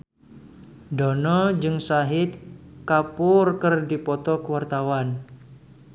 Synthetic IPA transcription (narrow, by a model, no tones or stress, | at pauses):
dɔnɔd͡ʒɨŋsaɦɪt̪̚kapʊrkɨrdipɔt̪ɔkəwart̪awan